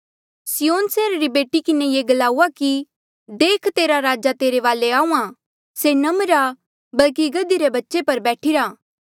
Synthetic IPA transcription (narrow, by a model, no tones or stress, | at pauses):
sɪjoːnseːɾaɾibeːʈikɪnejeːɡɐlaːuaki | d̪eːkʰt̪eːɾaɾaːd͡ʒat̪eːɾeʋaːleaːũːã | senɐmɾa | bɐlk̬iɡɐd̪iɾebɐtːʃepɐɾbɛːʈʰiɾaː